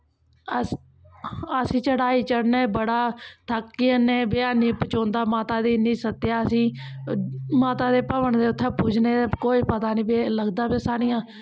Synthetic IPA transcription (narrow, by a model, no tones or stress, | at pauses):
ə | əsĩːt͡ʃəɽaːiːt͡ʃəɽneːbəɽaːt̪ʰəkːiːənẽːbɪaːniːpət͡ʃõːnd̪aːmaːt̪aːd̪iːnĩːsət̪ːjaːəsĩː | maːt̪aːd̪eːpəʋəɳd̪eːʊt̪ʰːãːpuːd͡ʒneːekoːiːpət̪aːnĩːbiləɡd̪aːbesaːɽɪjãː